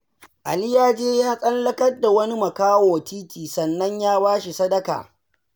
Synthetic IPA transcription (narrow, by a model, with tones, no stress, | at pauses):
ʔa̰˨lɪ˦jaː˦d͡ʒeː˦jaː˦sʼɐ˦llɐ˦kɐ˦rda˨wɐ˦ni˦mɐ˨kaː˦woː˨tʰiː˦tiː˨sɐ˨nːɐ˦ɲjaː˦baː˦ʃi˨sɐ˦dɐ˦ka̰ː˨